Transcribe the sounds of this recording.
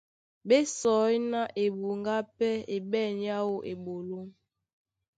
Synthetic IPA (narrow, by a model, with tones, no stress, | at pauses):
be˦sɔ˨˦jna˦ʔe˨bu˨ŋɡa˦pɛ˦e˨bɛ˦˨n˦ja˦wo˦ʔe˨bo˨lo˦m